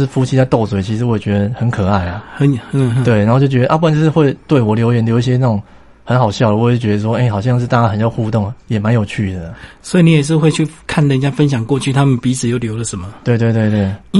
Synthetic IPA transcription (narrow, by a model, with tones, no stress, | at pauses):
ʂɻ̩˥˩fu˥t͡ɕʰi˥t͡sa˥˧ɪt̪o˥˩ʊswe˨˩ɪt͡ɕʰi˧ʂɻ̩˧˥wɔ˧˥jɛ˨˩t͡ɕɥɛ˧˥d̪ə˧xə˧˦nkʰɤ˨˩a˥˩ɪa˩xə˨˦n˥t̪we˥˩ɪna˨˧˥xo˥˧t͡ɕjo˥˩ʊt͡ɕʲɛ˧d̪ə˧a˧pu˥˩a˨˦nʈ͡ʂʂɻ̩˥˧xwe˥˧ɪt̪we˥˩ɪwɔ˨˩ljo˧˥ʊjɛ˧˥nljo˧˥ʊi˥˧ɕ̬jɛ˥na˥˩ʊ˨˩ŋ | xə˧˥nxɑ˨˩ʊɕjɑ˥˩ʊdə˨wɔ˦˥˩t͡ɕɥɛ˧˥d̪ə˧ʂwɔ˥e˥˩ɪxɑ˨˩ʊɕ̬jɑ˥˧ŋʂɻ̩˥˧t̪a˥˧t͡ɕa˥˩xə˨˩nt͡ɕjɑ˥˧xu˥˧t̪ɔ˥˩ŋ˩jɛ˨˩ma˧˦njo˨˩ʊt͡ɕʰy˥˩d̪ə˩swɔ˧˥i˨ni˦jɛ˨˩ʂ̬ɻ̩˥˧xwe˥˧ɪt͡ɕʰy˥˩kʰa˥˨nlə˩i˨˩t͡ɕja˥fə˦nɕ̬jɑ˨˩ŋkwɔ˥˧t͡ɕʰy˥˩t̪ʰa˥mə˨npi˧˥t͡sʰɹ̩˨˩jo˥˩ʊljo˧˥ʊlə˨ʂə˨˦nmə˧t̪we˥˧ɪt̪we˥˧ɪt̪we˥˧ɪt̪wewe˥˩ɪ